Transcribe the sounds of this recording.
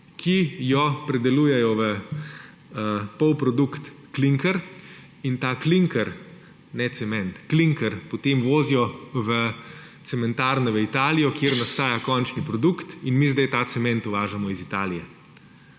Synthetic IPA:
kʰijɔpɾɛd̪ɛluːjɛjɔʋə | əpɔwpɾɔd̪ukt̪ | kliŋkəɾ | int̪aːkliŋkəɾ | nɛt̪sɛmɛnt̪kliŋkəɾpot̪emʋoːzijɔʋə | t̪sɛmɛnt̪aːɾnɛʋəit̪aːlijɔkjeːɾnast̪aːjakɔnt͡ʃnipɾɔd̪ukt̪inmizd̪ɛjt̪aːt̪sɛmɛnt̪ʊʋaːʒamɔizit̪aːlijɛ

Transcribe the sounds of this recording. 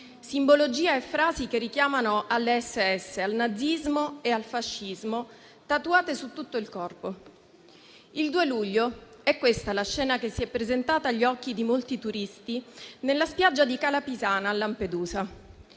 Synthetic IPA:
simbolod͡ʒiːaefːɾaːzikerːik̟jaːmanoʔalːeɛsːeɛsːealnad̪zːizmoealfaʃːizmo | t̪at̪uaːt̪esut̪ːut̪ːoilkɔrpo | ild̪uːeluʎːoɛkːwest̪alaʃːɛːnakesːiɛpːɾezent̪aːt̪aːʎːiɔkːid̪imolt̪it̪uɾist̪inelːaspjad͡ʒːad̪ikalapizaːnaːlːamped̪uːza

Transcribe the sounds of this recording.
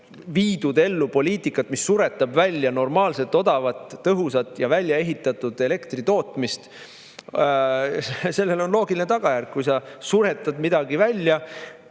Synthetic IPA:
viːd̪̥ud̪̥e̞lːupo̞lʲiːt̪ˑikːˑɑt̪misːuɾe̞t̪ːˑɑbvælʲːjɑno̞rmɑːlse̞t̪ːˑo̞d̪̥ɑvɑt̪ːɤɦusɑt̪ːˑjɑvælʲjɑe̞ɦit̪ːˑɑt̪ud̪̥e̞le̞kt̪rit̪o̞ːt̪ˑmist̪ | se̞lːe̞lo̞nlo̞ːɡilinet̪ɑɡ̥ɑjærkkujs̬ɑsuɾe̞t̪ːˑɑd̪mid̪̥ɑɡivælʲjɑ

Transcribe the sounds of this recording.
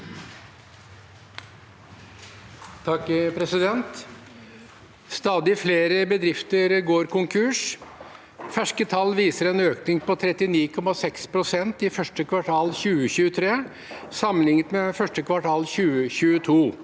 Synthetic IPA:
t̪ʰɑkpʰɾɛsɪd̪ɛnt̪ | st̪ɑːd̪ɪfleːɾəbəd̪ɾɪft̪əɾɡoːɾkʊŋkʰʉːʂ | fæʂkət̪ʰɑlːʋiːsəɾɛnøːknɪŋpɔt̪ʰɾɛt̪ɪniːkʰɔmɑsɛkspʰɾʊsɛnt̪ɪfœʂʈəkʰʋɑʈʰɑːlçʉːəçʉːət̪ʰɾeː | sɑmənɪŋət̪mefœʂʈəkʰʋɑʈʰɑːlçʉːəçʉːət̪ʰuː

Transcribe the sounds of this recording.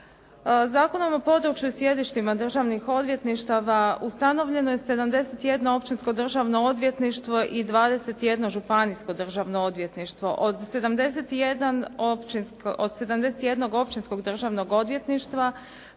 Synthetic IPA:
zaːko̞no̞mopo̞d̪ɾut͡ʃjusje̞d̪iʃt̪imad̪r̩ʒaʋnixo̞d̪ʋje̞t̪niʃt̪aʋaust̪ano̞ʋʎe̞noje̞se̞d̪amd̪e̞set̪je̞d̪no̞o̞pt͡ʃinsko̞d̪r̩ʒaʋno̞od̪ʋje̞t̪niʃt̪ʋo̞ʔid̪ʋaːd̪e̞se̞t̪je̞d̪no̞ʒupanisko̞d̪r̩ʒaʋno̞o̞d̪ʋjet̪niʃt̪ʋo̞ʔod̪se̞d̪amd̪e̞se̞t̪ije̞d̪anopt͡ʃinskod̪se̞d̪amd̪e̞set̪je̞d̪no̞ɡo̞pt͡ʃinsko̞ɡd̪r̩ʒaʋno̞ɡo̞d̪ʋje̞t̪niʃt̪ʋa

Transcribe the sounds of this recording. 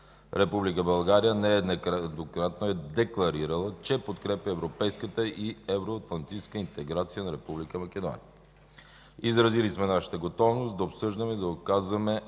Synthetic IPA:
ɾʔɛpublikəbɐlˠɡaɾijənɛɛnd̪nokɾat̪noɛd̪ɛklˠɐɾiɾəlˠət͡ʃɛpot̪kɾɛpjɐːvɾopɛjskət̪əʔiɛvɾoɐt̪lˠɐnt̪it͡ʃskəint̪ɛɡɾat̪sijənɐɾɛpublikəmɐkɛd̪ɔ̰niə | izɾɐzilismɛnaʃə̥t̪əɡot̪ɔvnost̪d̪ɐopsɤʒd̪əmɛid̪ɐokazvɐmɛ

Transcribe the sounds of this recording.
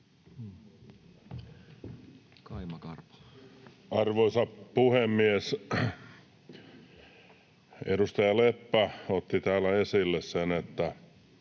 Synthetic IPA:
kɑimɑkɑrp | ɑrʋoisɑppuhemːies | ḛdust̪ɑjɑlepːæot̪ːit̪æːlːˑæesilːessenet̪ːæ

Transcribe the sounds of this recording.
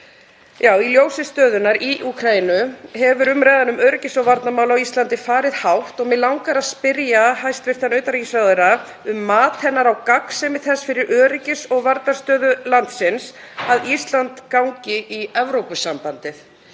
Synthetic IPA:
jaːwiljoːwsɪst̪œːðʏnaɾiʔukʰɾainʏɦɛvʏɾʏmɾɛjðanʏmœːɾɪcɪsɔɣvaɾt̪namawlaawist̪lant̪ɪfaːɾɪðhawht̪ɔɣmɪlawŋkaɾaðspɪɾjahajst̪vɪ̥t̪ʰanœɥt̪aɾicɪsvaðɪɾa | ʏmːaːt̪hɛnːaɾawkaksɛmɪθɛsfɪɾɪɾʔœːɾɪcɪsɔɣvaɾt̪narst̪œːðʏlant̪sɪns | aðist̪lant̪kawŋcɪʔiɛvɾowpʏsampant̪ɪθ

